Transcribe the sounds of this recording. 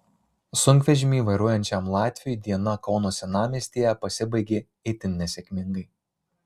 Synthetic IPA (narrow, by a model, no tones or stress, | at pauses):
sʊŋʲkʋʲɛʒʲɪmʲiːʋɐɪɾuɔjɛnʲt͡ʃʲɛmlˠɑːt̪ʲʋʲɪujd̪ʲiɛnɐkɒʊnoːsʲɛnɑːmʲiːsʲt̪ʲiːjɛpɐsʲɪbɐɪɡʲe | ɛɪt̪ʲɪnʲnʲɛsʲɛkʲmʲɪŋɡɐɪ